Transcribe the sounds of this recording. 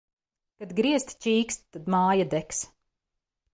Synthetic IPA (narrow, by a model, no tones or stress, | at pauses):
kad̪ɡɾiɛst̪t͡ʃiːkst̪t̪ːad̪maːjad̪ɛks